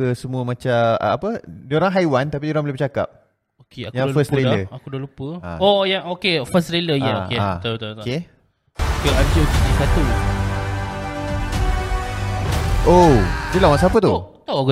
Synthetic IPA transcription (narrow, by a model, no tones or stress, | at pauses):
əsəmuəmãt͡ʃaa̰ːpədioɾaŋɦajwant̪ap̬idioɾaŋbolebət͡ʃaka̰p̚ | okeakjaŋfəst̪ɾeləakudalupəa̰ojaŋokefəst̪ɾeləjaokeaat̪ake | okeank̪iokeikat̪ul | ʔod͡ʒəlawaʔsapət̪u | t̪o